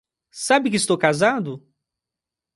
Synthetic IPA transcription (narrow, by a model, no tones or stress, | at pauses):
sabɪkɪst̪owkazad̪ʊ